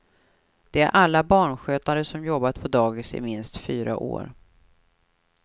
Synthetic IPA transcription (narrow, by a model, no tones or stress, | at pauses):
d̪̥ɛæ̰ɾʔalːabɑːɳɧøːt̪aɾəsɔmjɔbːat̪pʰɔd̪ɑːɡɪsɪ̰mɪnst̪fyːɾa̰ʔo̰ːɾ